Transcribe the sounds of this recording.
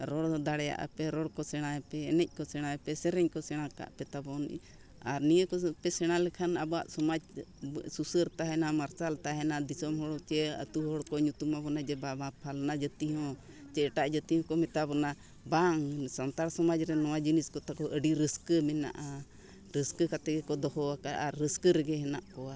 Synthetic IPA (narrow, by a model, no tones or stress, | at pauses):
ɾɔɽd̪aɽɛja̰ʔa̰pɛɾɔɽkɔsɛɽ̃aɛpɛːnɛc̚ˀkɔsɛɽ̃aɛpɛsɛɾɛɲkɔsɛɽ̃aka̰ʔpɛt̪abɔn | aɾnijəkɔpɛsɛɽ̃alɛkʰanabɔwa̰ʔsɔmad͡ʒsusəɾt̪aɦɛnamaɾt͡ʃalt̪aɦɛnad̪isɔmɦɔɽɔt͡ʃɛə̰t̪uɦɔɽkɔɲut̪umabɔnad͡ʒɛbabãpʰalnad͡ʒət̪iɦɔ̃ | t͡ʃɛʈaʔd͡ʒət̪ihɔ̃kɔmɛt̪abɔna | baŋsant̪aɾsɔmad͡ʒɾɛnɔwad͡ʒiniskɔt̪akɔʔəɖiɾəskəmɛna̰ʔa | ɾəskəkat̪ɛɡɛkɔd̪ɔhɔakaʔaɾːəskəɾɛɡɛɦɛnaʔkɔwa